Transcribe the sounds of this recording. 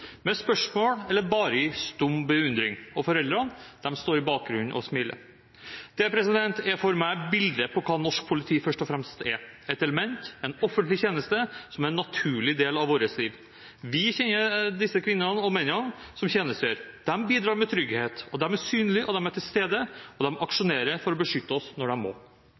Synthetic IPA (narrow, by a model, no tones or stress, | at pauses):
mɛspœʂmoːɽɛlːəɾbɑːɾəɪst̪ʊmːbəʉnd̪ɾɪŋɔfɔɾɛld̪ɾɑnd̪̥ɛmst̪oːɾɪbɑːk̚ɡɾʉnːʔɔ̰smɪlə̰ɾ | d̪̥ɛpʰɾɛsɪd̪ɛnt̪ʰɛɾfɔɾmæɪbɪld̪əpʰɔkʰɑːnɔʂk̚pʰʊlɪt̪ʰiːfœʂʈɔfɾɛmst̪ɛɾɛɪt̪ɛləmɛnt̪ɛnɔfənt̪lɪçeːnəst̪əsɔmæɾɛnːɑt̪ʰʉːɭɪd̪eːlɑʋoːɾəsliːʋ | ʋɪçɛnːəd̪ɪsːəkʰʋɪnːnəɔmɛnːənsɔmçeːnəst̪øːɾd̪̥ɛmbiːd̪ɾɑːɾmɛt̪ʰɾʏɡheːt̪ɔd̪ɛmæsyːnəlɪʔɔd̪ɛmæʈʰɪlst̪eːd̪əɔd̪ɛmʔɑkʂʊneːɾəfɔɾɔbəʂʏt̪ːəɔsnɔɖɛmmo̰ː